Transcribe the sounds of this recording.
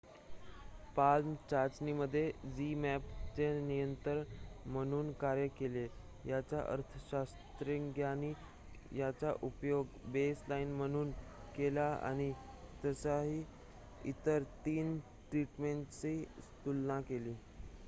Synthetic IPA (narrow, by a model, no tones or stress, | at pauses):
palmt͡ɕaɾd͡ʑniməd̪ʱːjed͡ʑimæpt͡ɕenijənt̪əɾməɽ̃uːnkaɾjəkele | jat͡ɕaʔə̰ɾt̪ʰəɕast̪ɾeŋɡjaniː | jat͡ɕaʔupjoɡbeslainməɽ̃uːnkelaa̰ɽ̃i | t̪əsaɦiː | it̪əɾt̪iːn | ʈɾiʈmeɳʈt͡sist̪ulnakeliː